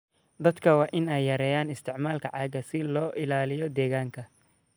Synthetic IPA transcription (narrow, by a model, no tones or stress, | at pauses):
d̪ɐd̪kʰɐwɑːʔɪnɛjːɐɾɛːjaːnɪst̪ʰɪʕmaːlkʰɐʕɑːɡɐsɪlɔːʔɪlaːlɪjɔd̪ɛːɣaːŋkʰɐ